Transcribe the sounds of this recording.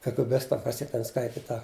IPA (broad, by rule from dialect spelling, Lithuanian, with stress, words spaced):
kɐɡɘˈbʲɪstɐ ˈkɐs ˈjiɛ ˈtʲɛn ˈskɐɪtʲɪ ˈtɐ